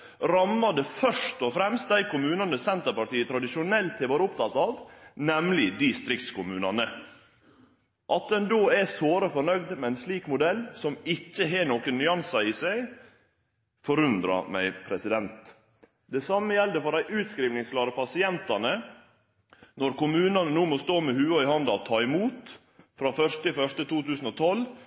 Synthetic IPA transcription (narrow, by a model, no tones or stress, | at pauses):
ɾɑmːɑd̪əfœʂʈɔfɾɛmst̪̚d̪æɪkʊmʉːnɑnəsɛnt̪əpɑʈiːət̪ʰɾɑd̪ɪʃʊnɛlt̪ʰɪʋɑːɾəʊpt̪ʰɑt̪ɑːʋnɛmlɪd̪ɪst̪ɾɪkt̪skʊmʉːnɑnə | ʔɑt̪̚d̪ɛnd̪oːɛsoːɾəfɔɳœɡd̪mɛæɪnsliːkmʊd̪ɛlːsɔmɪçːəɦɛːnoːkənnːʏɑnsɑiːsæɪ | fɔɾʉnd̪ɾɑ̰mæ̰ɪpʰɾɛsɪd̪ɛnt̪ | d̪ɛsɑmːəjɛld̪əfɔɾæɪʔʉːt̪skɾiːʋnɪŋsklɑːɾəpʰɑsɪɛnt̪ɑnə | nɔɾkʊmʉːnɑnənuːmɔst̪oːmɛhʉːoɪhɑnd̪ɑt̪ʰɑːɪmuːt̪ | fɾɑːfœʂʈɪfœʂʈət̪uːt̪ʉːsn̩ɔt̪ʰɔl